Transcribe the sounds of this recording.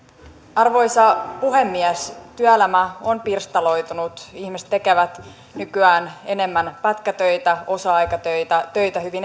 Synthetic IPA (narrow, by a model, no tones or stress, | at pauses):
ɑrʋo̞jsɑpuɦe̞mːiæst̪yælæmæo̞npirst̪ɑlo̞jt̪unut̪içmist̪ːekeʋæt̪ | nykyæːne̞ne̞mːænpæt̪kæt̪øjt̪æo̞sɑɑjkɑt̪øt̪æt̪ø̞jt̪æhyʋin